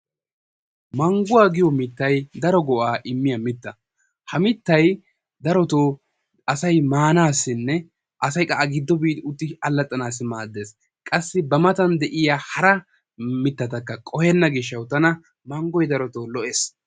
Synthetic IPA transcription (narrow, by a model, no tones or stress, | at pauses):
mɐŋɡʊwaːɡɪjɔmɪt̪ːɐjd̪ɐɾɔɡɔʔaːʔɪmːɪjɐmɪt̪ːɐ | hɐmɪt̪ːɐj | d̪ɐɾɔt̪oː | ɐsɐjmaːnaːsːɪnːɛ | ʔɐsɐjkʼɐʔɐɡɪd̪ːɔbiːd̪ʊt̪ːɪɐlːɐt̪ʼːɐnaːsːɪmaːd̪ːe̞ːs | kʼɐsːɪbɐmɐt̪ɐnd̪ɛʔɪjaːhɐɾɐ | mɪt̪ːɐt̪ɐkːɐkʼɔhɛnːɐɡɪʃːɐwt̪ɐnɐ | mɐŋɡɔjd̪ɐɾɔt̪oːlɔʔeːs